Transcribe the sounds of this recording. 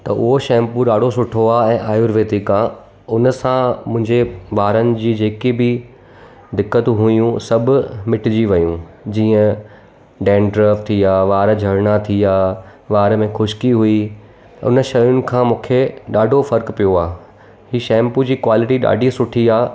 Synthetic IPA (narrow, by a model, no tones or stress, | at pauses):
t̪ɐʔʊɦoʃɛ̃ːmpuɗaːɖʱosʊʈʰoaːɛ̃ːʔaːjʊɾʋeːt̪ikaː | ʊnəsãmʊ̃ɦɪ̃ɲd͡ʑeʋaːɾənɪ̆d͡ʑiːd͡ʑeːkibɪ | d̪ɪkːət̪ɦʊijũsɐbʱʊmɪʈɪd͡ʑiʋɐjũd͡ʑiːə̃ | ɖẽːnɖɾeːft̪ʰijaːʋaːɾd͡ʑʱɐɾɽat̪ʰiaːʋaːɾmẽxʊʃkiɦui | ʊ̰nəʃɐjʊnɪ̆kʰãːmũːkʰeɗaːɖʱofɐɾkpijoaː | hiːʃɛ̃ːmpud͡ʑiːkwaːlɪʈiɗa̰ːɖʱisʊʈʰiaː